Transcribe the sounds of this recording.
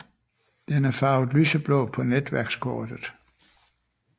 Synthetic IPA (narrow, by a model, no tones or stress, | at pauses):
d̥enæɐfɑ̈ʊð̩ˠlysəb̥lɔ̽ːpʰɒ̽ned̥ʋæɐɡ̥skʰɔːd̥ð̩ˠ